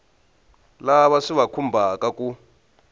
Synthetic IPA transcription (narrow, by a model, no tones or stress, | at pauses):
laβaʂiβakʰumbʱakʼakʼu